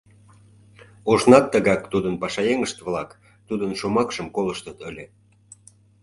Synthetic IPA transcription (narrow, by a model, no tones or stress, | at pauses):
uʒnɑt̪ːəɣɑk̚t̪ud̪ənpɑʃɑjeŋəʃt̪βlɑk | t̪ud̪ənʃomɑkʃəmkoləʃt̪ət̪əlʲe